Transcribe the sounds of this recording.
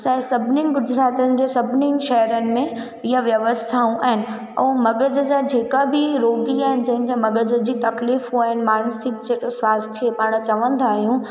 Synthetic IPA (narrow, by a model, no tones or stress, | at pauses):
sɐsɐbʱɪniɡʊd͡ʑɾaːt̪iənɪ̆d͡ʑeːsɐbʱniʃɛɦəɾənɪ̆mẽ | ɪjaʋjɐʋəst̪ʰaːũʔaːɦɪnɪ̆ | ɛ̰̃ːmɐɡəd͡ʑəd͡ʑad͡ʑʱeːkabʱiɾoːɡiaːɦɪnɪ̆d͡ʑɐ̃ɦɪ̃kʰemɐɡəd͡ʑəd͡ʑiːt̪ɐkliːfɦuaːɦɪnɪ̆maːnsɪkd͡ʑeksʋaːst̪ʰjepaːɽ̃t͡ɕɐʋə̃nd̪aːɦijũ